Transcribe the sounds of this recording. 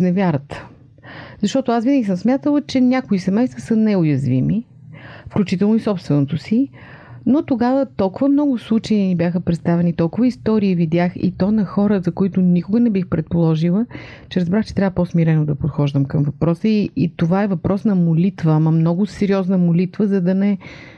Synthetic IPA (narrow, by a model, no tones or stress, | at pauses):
znɛvʲjaɾət̪ | zɐʃt̪ɔt̪ʊasvinəɡʲisəmsmʲjat̪əlˠət͡ʃɛnʲakʊisɛmɛjst̪vəsɐnɛʊjɐzvimi | fklʲut͡ʃit̪ɛlˠnʊisɔpst̪vɛnot̪osi | not̪oɡavət̪ɔlˠkʊvəmnɔɡʊslˠut͡ʃɛjinibjaxəpɾɛt̪st̪avɛnit̪ɔlˠkʊvəist̪ɔɾiivid̪ʲjaxḭt̪ɔnɐxɔɾəzɐkoit̪ʊnikʊɡənɛbixpɾɛt̪̚polˠɔʒilˠə | t͡ʃɛɾɐzbɾaxt͡ʃɛt̪ɾʲavəposmiɾɛnod̪ɐpot̪xɔʒd̪əmkəmvɐpɾɔsəiːt̪ovaɛvɐpɾʔɔsnɐmolit̪vəmɐmnɔɡʊsɛɾiɔznəmolit̪vəzɐd̪ɐnɛ